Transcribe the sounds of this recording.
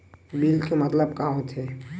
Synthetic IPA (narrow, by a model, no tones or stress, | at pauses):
biːlkemət̪ləbkaɦot̪ɦɛ